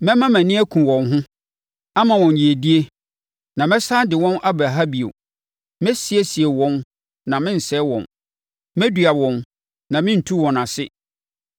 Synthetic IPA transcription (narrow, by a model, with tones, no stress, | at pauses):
mɛ̃˦mã˦mæ̃˨nĩ˦æ˦kʰũ˨wɔ̃˨nɦʊ̃˦ | a˦mã˨wɔ̃˨n˨ji˨e˨di˦e˦ | nã˨mɛ̃˦sa˦dɪ˨wɔ̃˦nʔa˦bɾa˨ɦa˦bi˨o̰˨ | mɛ̃˦si˨˦e˦si˨e˨wɔ̃˦n | nã˨mɪ̃˦n̩˨sɛ˦wɔ̰̃˨n | mɛ̃˦dɥa˨wɔ̃˨n | nã˨mɪ̃˦n̩˨tʰu˦wɔ̃˨nã˨sɪ˦